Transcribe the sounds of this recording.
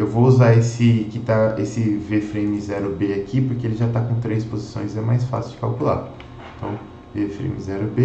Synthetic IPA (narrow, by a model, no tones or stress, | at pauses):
ewvouzaesɪkɪt̪aesɪvefɾẽmɪzɛɾʊbeakʰipoɾkeelɪʒat̪akõt̪ɾejspozisõj̃zɛmajsfa̰sɪd͡ʒɪkawkula̰ | ẽt̪ɐ̰̃w̃ | vefɾḛ̃mḭzɛɾʊbe